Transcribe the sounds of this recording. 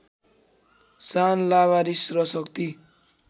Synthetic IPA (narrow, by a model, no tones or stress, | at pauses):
sanlaβaɾisrʌsʌkt̪i